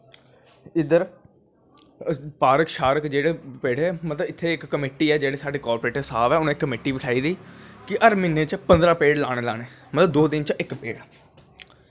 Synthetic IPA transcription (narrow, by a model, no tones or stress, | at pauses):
ɪd̪əɾ | paːɾəkʃaːɾəkd͡ʒeːɽeːpeːɽeːmət̪ləbɪt̪ʰːeːɪkːəmeːʈiːɛːd͡ʒeːɽeːsaːɖeːkɔːɾpɾeːʈəsaːʋɛːʊnẽːkːəmeːʈiːbɪʈʰaːiːd̪əiːkɪʔəɾmɪneːt͡ʃpənd̪ɾaːpeːɽlaːɽ̃eːla̰ːneːmət̪ləbd̪oːd̪ɪnt͡ʃʔɪkpḛːɽɛː